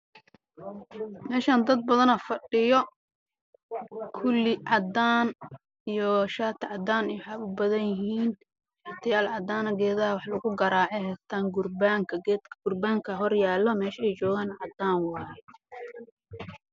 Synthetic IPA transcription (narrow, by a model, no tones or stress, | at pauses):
mɛːʃaːnd̪ɐd̪̚bɐðɐnɐfɐɖɪjɔ | kʰʊlːɪʕɑd̪aːn | ijɔʃaːt̪ʰʕɑd̪aːnijħɑʊbɐðɐjɪɦiːn | ħɪt̪ʰɐjaːlʕɑd̪aːnɐɡɛːðɐɐwɑħlɐɣʊɡɐɾaːʕɛɦɛst̪ʰaːŋɡʊrbaːŋkʰɐɛɡ̥ʊrbaːŋkʰɐɦɔrjaːlːɔmɛːʃɛjt͡ʃɔːɣaːnʕɑd̪aːnwɑːjɛ